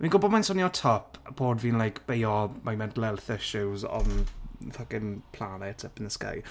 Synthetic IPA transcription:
minɡʊbɔdmajnsɔnjɔtʰɔpʰb̥oːdviːnlˠajkʰb̥ejɔmajmɛndlɛlˠθəʃʊwzɔ̰nfaɡɪnpʰlˠanɛtʰəpənəska̰j

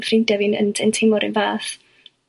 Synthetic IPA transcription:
frɪndɛvɪnə̰ntʰɛntʰɪmɔɾɪ̰nvaːθ

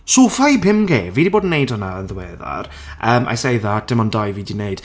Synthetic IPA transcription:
soːfajbɪmɡeːviːdiboːdn̩ːejdhɔnaənðəwɛːða̰r | ʔəːmʔa̰jsejðatd̥ɪmɔndajviːdinejd̥

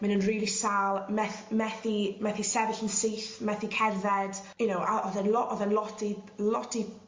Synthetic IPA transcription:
mɪnənriːlˠisalˠmɛθmɛθimɛθisɛvɪɬənsiːθmɛθikʰɛðɛd̥jʊnowʔaɔðɛnlɔʔɔðɛnlˠɔtilɔti

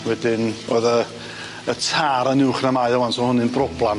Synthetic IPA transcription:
wɛdɪnoːðə | ətʰaːɾənɪwχnamajɔwansɔnhʊnɪnbrɔblˠan

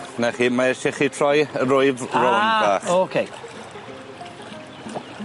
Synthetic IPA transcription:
naχiːmaɛʃɪχiːtʰr̥ɔjəɾʊɨvrɔnbaːχokʰej

